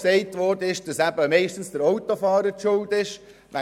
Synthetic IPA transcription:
sɛɪtʋɔrd̥əɪʃd̥ɑsæbəmɛɪʃtn̩stəɾɔwtofɑːɾəɾtʃʊldɪʃ | ʋɛ

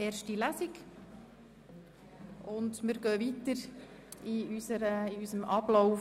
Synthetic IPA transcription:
eːrʃtilæsiɡ | ʊndmɪɾɡœːvit̪əɾ | iysəɾəiysəmʔɑblɔʊ

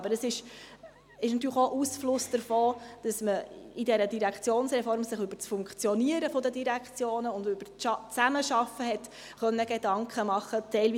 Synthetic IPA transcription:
bəɾəsɪʃ | ɪʃnɑt̪̬yːɾləxoʔusflʊsd̥əɾfoːd̥ɑsməidɛɾədiɾækt͡sjoːnsɾɛfɔɾmsɪχʏb̥əɾt͡sfʊŋkχt͡sjɔniəɾəfɔdədiɾækt͡sjoːnəʊndʏb̥əɾɑt͡sæməʃɑfːəɦɛt | χœnːəɡ̥edɑŋkχəmɑχətɛɪlviː

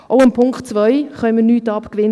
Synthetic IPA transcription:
ʔoʊɪmpʰʊŋktt͡svœʏχœʏmənyːtɑpkvɪn

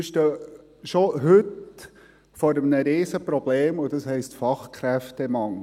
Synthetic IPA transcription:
ɪʃtə | ʃoɦʏt | fɔɾəmnəɾeːsəpɾɔb̥leːmʊd̥ɑshɛɪstfɑχkʰɾɛftɛmɑŋ

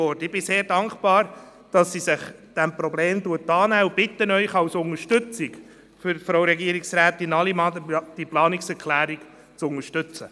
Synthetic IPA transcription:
ɔɾtɪb̥ɪseːɾdɑŋkb̥ɑːɾ | d̥ɑsːisɪχd̥ɛmpɾɔbleːmduətːɑːnæub̥ɪt̪ːənœʏχɑwsʊŋəɾʃtɵt͡sɪk | fʏɾfɾoʊɾɛɡiəɾiksɾæːt̪ɪnɑlimɑdd̥iplɑːniksɛɾkʰlæːɾik | t͡sʊŋəʃtʏt͡sə

